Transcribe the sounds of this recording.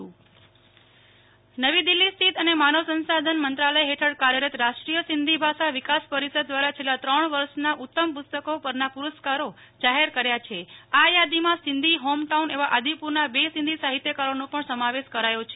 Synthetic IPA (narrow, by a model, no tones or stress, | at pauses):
nəʋid̪ilːist̪ʰit̪ənemanəʋsənsad̪ʱənmənt̪ɾaləjɦeʈʰəɽkaɾjəɾət̪ɾaʃʈɾijəsɪnd̪ʱibʱaʃaʋɪkaspəɾisəd̪̚ːʋaɾat͡ʃʰelːat̪ɾəɳʋəɾʃnaʔut̪ːəmpʊst̪əkopəɾnapuɾəskaɾo | d͡ʒaɦeɾkəɾjat͡ʃʰeajad̪imãsɪnd̪ʱiɦomʈauneʋaʔad̪ipuɾnabesɪ̃nd̪ʱisaɦit̪jəkaɾonõpəɳsəmaʋeʃkəɾajõt͡ʃʰe